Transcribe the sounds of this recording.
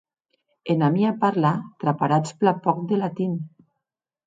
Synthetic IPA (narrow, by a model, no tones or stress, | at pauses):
enamiapaɾlat̪ɾapaɾat͡splapɔk̚d̪elat̪in